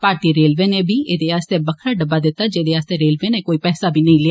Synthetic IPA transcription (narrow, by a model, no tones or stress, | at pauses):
paːɾʈiːɾeːlʋeːneːbʱiːeːd̪eːaːst̪eːbəkʰɾaːɖəbːaːd̪ɪt̪ːaːd͡ʒeːd̪eːaːst̪eːɾeːlʋeːneːkoːiːpɛːsaːbʱiːnəĩːlɪa